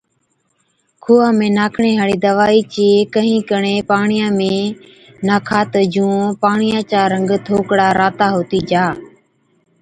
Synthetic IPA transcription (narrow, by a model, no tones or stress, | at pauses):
kʰuːãːmẽːnaːkʰɳẽːɦaːɽiːd̪əʋaːiːt͡ʃeːkəɦĩːkəɳeːpaːɳɪjãːmẽː | naːkʰaːt̪əd͡ʒũːpaːɳɪjãːt͡ʃaːɾəŋɡt̪ʰoːkɽaːɾaːt̪aːɦoːt̪iːd͡ʒaː